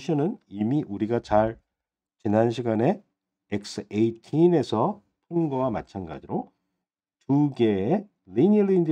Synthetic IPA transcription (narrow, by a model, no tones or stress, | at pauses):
ɕʰinɯnimiʔuɾiɡat͡ɕaɭ | t͡ɕinanɕʰiɡane̞ | ek̚s͈ʰɯeitʰine̞sʰʌ | tʰoŋɡʌwama̰t͡ɕʰanɡa̰d͡ʑiɾo | tuɡe̞e | linilindi